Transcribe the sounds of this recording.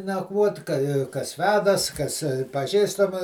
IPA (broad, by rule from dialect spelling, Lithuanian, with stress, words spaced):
nɐkˈʋuɔtʲ kɐ kɐs ˈʋʲæːdɐs kɐs pɐˈʒʲiːstɐmɐ